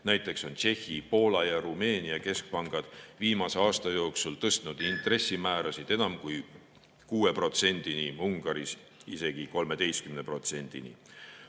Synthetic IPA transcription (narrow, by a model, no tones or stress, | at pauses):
næjt̪ːˑe̞kso̞nt͡ʃe̞hːipo̞ːlɑjɑɾume̞ːniɑke̞sk̚pɑŋɡ̥ɑd̪̥viːmɑse̞ɑːst̪ɑjo̞ːksult̪ɤst̪nud̪̥int̪ˑre̞sːimæːɾɑsid̪̥enɑmkuj | kuːe̞pro̞t̪se̞nʲd̪̥iniuŋɡ̥ɑɾis | ise̞ɡ̥iko̞lme̞d̪e̞jst̪kymne̞pro̞t̪se̞nʲd̪̥ḭnḭ